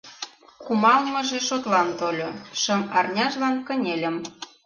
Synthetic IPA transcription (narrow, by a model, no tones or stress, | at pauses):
kumɑlmɤ̆ʒeʃot̪lɑnt̪olʲoʃə̆mɑrnʲɑʒlɑnkə̆nʲelʲə̆m